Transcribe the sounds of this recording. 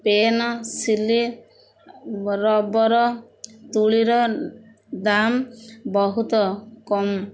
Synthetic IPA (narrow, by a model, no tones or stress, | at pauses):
penɔsili | ɾɔbɔɾɔ | t̪uɭiɾɔ | d̪ambɔɦut̪ɔkɔm